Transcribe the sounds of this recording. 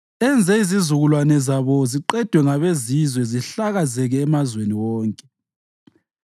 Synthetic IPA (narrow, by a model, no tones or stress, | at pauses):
ɛnd͡zʱɛizizuɣulwanɛzaβɔziǃɛd̥ʱwɛŋaβezizwɛziɬaɣazɛɣɛːmazweniwɔːŋkʼɛ